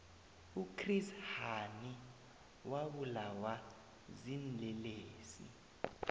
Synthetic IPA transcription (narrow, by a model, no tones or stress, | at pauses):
ukʰrishani | waɓulawa | zinlɛleːsḭ